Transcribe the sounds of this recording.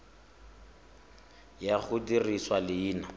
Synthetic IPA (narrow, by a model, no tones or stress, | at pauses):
jaχʊdiriswalɪːna